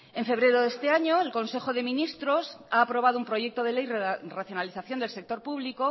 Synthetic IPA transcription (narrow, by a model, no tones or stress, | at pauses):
e̞ɱfe̞β̞ɾe̞ɾoðe̞st̪eaɲo̞elko̞nse̞xo̞ðe̞mĩnist̪ɾo̞saːpɾo̞β̞að̞oumpɾo̞ʝe̞k̚t̪o̞ð̞e̞le̞jraθjo̞naliθaθjo̞nd̪else̞k̚t̪o̞ɾpuβliko